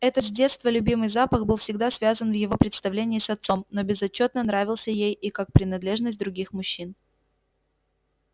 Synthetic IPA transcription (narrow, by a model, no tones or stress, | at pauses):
ɛt̪ət̪zʲdʲe̞t̪st̪vəlʲʉbʲimɨjzapəɣbɨlˠfsʲɪɡ̚d̪asvʲazənvjɪvo̞pɾʲɪt̪st̪ɐvlʲenʲɪːsɐt̪so̞mno̞bʲɪzɐt͡ɕːo̞t̪̚nənɾavʲɪlˠsʲəjejikak̚pɾʲɪnɐd̪lʲeʐnəsʲt̚ʲd̪ɾʊɡʲixmʊɕːin